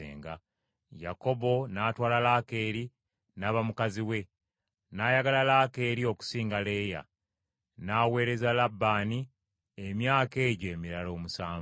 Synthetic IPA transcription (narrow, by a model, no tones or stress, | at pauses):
ḛːŋɡa̰ | ja̰ko̞bo̞naːtwaːlalaːke̞ːɾi | naβamukaziwe̞ | naːjaɡalalaːke̞ːɾio̞ku̥siːŋɡale̞ːja̰ | naːwe̞ːɾe̞zalabːaːni | emjaːke̞ːɟoemiɾalo̞ːmusaːm